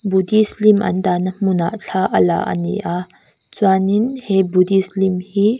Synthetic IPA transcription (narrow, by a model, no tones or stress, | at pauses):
budislimʔɐ̰nd̪anamuna̰ʔɬʰaʔɐla̰ʔɐ̰nḭʔa | t͡swaninhɛbudislimhi